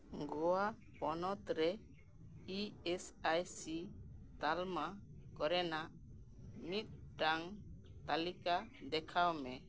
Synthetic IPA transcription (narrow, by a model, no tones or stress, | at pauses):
ɡɔwa | pɔnɔt̪ɾɛ | iɛsajsit̪almakɔɾɛnaʔ | mit̪̚ˀɖaŋ | t̪alikad̪ɛkʰawmɛ